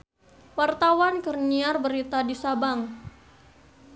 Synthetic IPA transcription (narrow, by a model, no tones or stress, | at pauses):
wart̪awankərniarbəɾit̪adisabaŋ